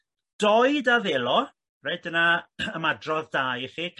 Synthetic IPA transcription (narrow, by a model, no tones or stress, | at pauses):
d̥ɔɨdaðeːlˠɔ | reɨdənaəmadrɔðdaːjχikʰ